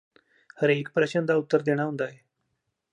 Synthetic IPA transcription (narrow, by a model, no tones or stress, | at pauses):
həɾeːkpɾəɕənd̪ʱaut̪ːəɾd̪eɽ̃aɦũnd̪aɦe